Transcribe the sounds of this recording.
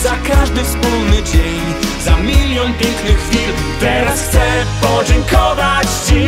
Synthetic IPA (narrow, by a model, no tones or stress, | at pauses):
zakaʐd̪ɪspulnɪd͡ʑɛɲ | zamʲilʲjɔ̃nvʲjɛ̃ŋknɪxfʲil | t̪ɛɾast̪ɛpɔd͡ʑɛɲkʰɔvat͡ɕt͡ɕi